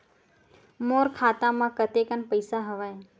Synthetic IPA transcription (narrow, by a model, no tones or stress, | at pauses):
moːɾkʰaːt̪ãmãːkət̪ekənpəɪsaɦɐʋaːe